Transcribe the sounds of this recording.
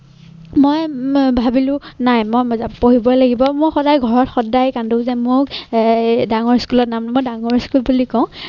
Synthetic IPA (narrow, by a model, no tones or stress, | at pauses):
mojbʱabilʊ̃najmɔjmɔzapoɦibɔlaɡibɔmʊɹxɔdajɡʱɔɹɔtxɔdajkandoʊzɛmʊk | daŋɔɹskulɔt̚namnmojdaŋɔɹskulbulikɔ̃ʊ̃